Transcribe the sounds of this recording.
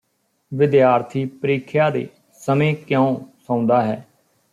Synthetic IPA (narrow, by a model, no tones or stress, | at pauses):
ʋɪd̪jaːɾt̪ʰiːpəɾiːkʰjaːd̪ḛː | səmẽːkjõõːsãːʊ̃nd̪aːɦɛː